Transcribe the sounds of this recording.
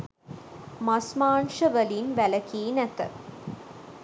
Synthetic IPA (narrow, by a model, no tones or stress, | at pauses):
masmaːnʃəʋəlinʋælɐkiːnæt̪ə̰